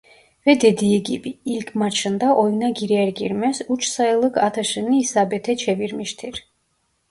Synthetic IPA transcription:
vɛd̪ɛd̪iɛɡḭbiːlkʰmat͡ʃʰənd̪aʔɔjnaɡiɾɛɛɾɡḭɾmɛsut͡ʃʰsaɛlˠəɡʰat̪ʰaʃəniːsabɛt̪ʰɛt͡ʃʰɛviɾmiʃt̪ʰiɾ

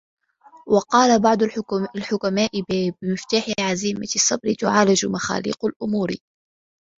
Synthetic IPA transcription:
wɑqɑːlabɑʕd̪ˤʊalħʊkamaːʔɪbɪmɪft̪aːħɪʕaziːmasˤːɑbɾɪt̪ʊʕaːlad͡ʒʊmaxa̰ːlḭːqʊlʔʊmuːɾ

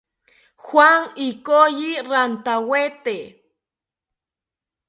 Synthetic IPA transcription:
xwaŋikojiɾant̪awet̪e

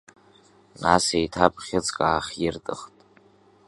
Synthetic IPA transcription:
nasejtʰapʰʼχʲɪt͡sʼkʼaːχʲjɪrtʼɨχtʼ

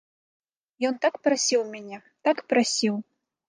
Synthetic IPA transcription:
jɔnt̪akpɾasʲiwmʲanʲɛ | t̪akpɾasʲiw

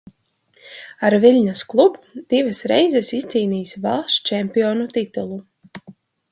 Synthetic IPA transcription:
aɾvilʲɲasklˠubud̪̥ivasɾɛjzɛsist̪siːniːsvalˠʃt͡ʃɛmpiɔnut̪it̪ulˠu

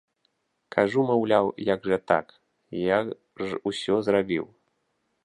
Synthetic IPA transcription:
kʰaʐumawlʲawjaɡʐɐt̪a̰k | ja | usʲɔzrabʲḭw

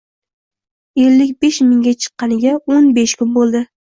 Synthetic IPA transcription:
elːɪkʲbeʃmɪŋɡʲat͡ʃʰɨ̥qːɑnɪɡʲaonbeʃkʲʰʊnbolˠd̪ɪ

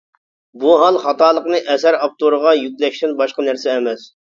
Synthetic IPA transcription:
buɦɑlˠχɑt̪ɑːlˠəqnɨʔɛsæɾɑp̚t̪oɾəʁɑjykʲlɛʃt̪ɪnbɑʃqɑnæɾsɛːmɛs

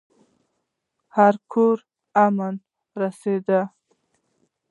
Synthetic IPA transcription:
haɾkʰoɾ | aman | ɾased̪a

